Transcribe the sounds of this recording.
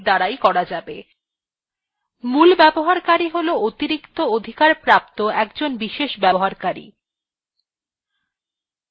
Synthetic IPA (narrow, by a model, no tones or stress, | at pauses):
d̪aɽajkɔɾad͡ʑabe | mulbɛboɦaɾkaɾiɦoloot̪iɾikt̪ood̪ʱikaɾpɾap̚t̪oɛkd͡ʑonbiʃeʃbɛboɦaɾkaɾḭ